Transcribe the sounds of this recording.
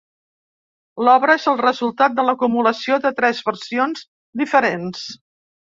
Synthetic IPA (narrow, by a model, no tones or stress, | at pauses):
lɔβɾəezəlˠrəzulˠt̪at̪̚d̪ələkumuləsioðət̪ɾɛzβəɾsionz | d̪ifəɾens